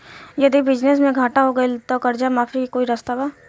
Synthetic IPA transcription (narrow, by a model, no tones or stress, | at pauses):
jɐd̪ibɪd͡ʒnesmẽɡʱaːʈaɦoɡɐilt̪okɐɾd͡ʒamaːfikoːiɾɐst̪abaː